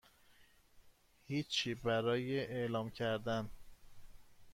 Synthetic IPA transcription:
hiːt͡ʃʰːiːbæɾɒːjeʔeʔlɒːmcʰæɾd̪æn

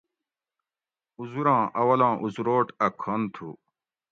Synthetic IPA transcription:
uzuɾãːʔɐwɐlãːʔuzuɾoːʈɐkʰont̪ʰṵ

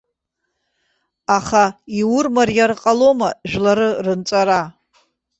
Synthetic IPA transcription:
aχaiwʊrmarjarqʼalo̞maʒᶣlaɾɨrɨnt͡sʷʼaɾa

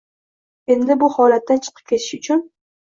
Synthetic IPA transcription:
e̞nd̪ɪbʊhɒlat̪ːant͡ʃʰɨ̥qʰɨ̥p̚kʲʰe̞t̪ʰɪ̥ʃʊt͡ʃʰʊn

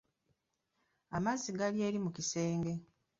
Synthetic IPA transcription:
amazːiɡalje̞ːɾimukise̞ːŋɡe̞

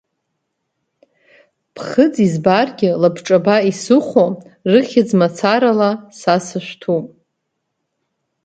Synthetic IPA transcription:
pʰχəd͡zizbarɡʲɪlapʰʈ͡ʂʼabaisɨχʷorɨχʲɪd͡zmat͡sʰaɾalasasɨʃᶣʷtʰupʼ

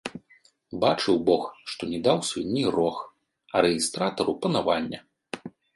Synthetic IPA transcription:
bat͡ʂɨwbɔxʂt̪ɔnʲɛd̪awsunʲːirɔx | ɐɾɛɣʲist̪ɾat̪ɐɾupɐnavanʲːɐ

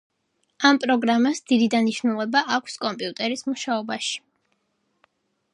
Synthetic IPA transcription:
ampʼɾɔɡɾamasd̪̥id̪id̪aniʃnulˠɛbaʔakʷʰskʼɔmpʼiut̪ʼɛɾismuʃaɔbaʃi̥

